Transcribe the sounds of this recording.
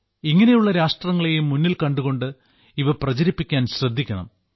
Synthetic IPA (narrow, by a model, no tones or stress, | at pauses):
iŋːɐnejuɭːɐɾaːʂʈrɐŋːɐɭe̞jumːunːilkɐɳɖuɣo̞ɳɖɨ | iʋɐprɐt͡ɕɐɾipːikʲːaːnɕrɐd̪ʱːikʲːɐɳɐ̰m